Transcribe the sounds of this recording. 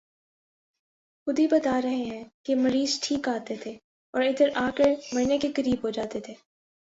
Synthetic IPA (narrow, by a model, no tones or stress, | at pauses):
xʊd̪ibɐt̪aːɾɐɦẽɦɛ̃ːkemɐɾiːzʈʰiːkaːt̪et̪ʰeː | ɔːɾɪd̪əɾʔaːkəɾmɐɾnekekɐɾiːbɦod͡ʒaːt̪et̪ʰeː